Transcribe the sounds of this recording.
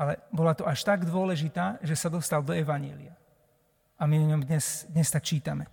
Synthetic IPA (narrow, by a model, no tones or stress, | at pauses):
alɛbɔlat̪ɔʔaʃt̪aɡd̪ʊɔlɛʒit̪aːʒɛsad̪ɔst̪ald̪ɔɛʋaɲɛ̰lḭa | amiɲɔmd̪ɲɛsd̪ɲɛst̪akt͡ʃiːt̪amɛ